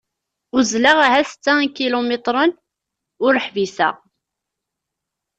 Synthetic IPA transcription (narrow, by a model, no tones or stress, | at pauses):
ʊzlaʁaɦæsə̥t͡sːækilomet̪ˤɾˤən | ʊɾəħvisæ̰ʁ